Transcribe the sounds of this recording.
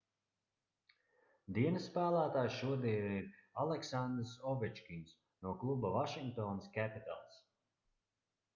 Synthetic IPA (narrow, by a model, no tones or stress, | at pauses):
d̪iɛnəsːpæːlˠæːt̪aːjʃuɔd̪iɛniɾalˠɛksand̪ɾsɔvɛt͡ʃkʲiɲs | nuɔklˠubavaʃiŋk̚t̪ɔːnaskʲæpit̪a̰lˠs